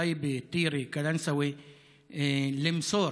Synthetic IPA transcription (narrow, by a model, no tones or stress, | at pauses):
ajbt̪ˤiːɾikalansawi | lɪmsoːɾ